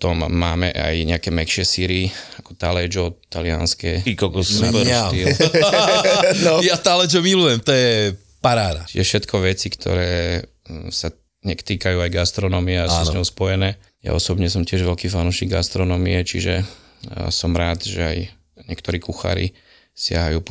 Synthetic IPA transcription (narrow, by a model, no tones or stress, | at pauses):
t̪ɔmːaːmɛ̰ʔa̰jɲɛakɛːmɛkʃɪɛsiːɾiakɔ̥t̪alɛd͡ʒɔt̪alia̰nskɛikɔkɔpt̪i | jat̪alɛd͡ʒɔmilujɛmt̪ɔjɛ | paɾaːd̪at͡ʃiʒɛfʃɛt̪kʰɔʋɛt͡sikt̪ʰɔ̰ɾɛː | sa | ɲɛkt̪iːkajuːajɡast̪ɾɔnɔmiɛasunzɲɔɦspɔjɛnɛː | ja̰ɔsɔbɲɛs̬ɔmcɪɛʒʋɛlkiːfanuʃiːɡɡa̰st̪ɾɔnɔmiɛt͡ʃḭʒɛ | sɔmɾaːt̪ʒɛaj | ɲɛkt̪ɔɾiːkuxa̰ːɾḭ | sɪaɦajuːp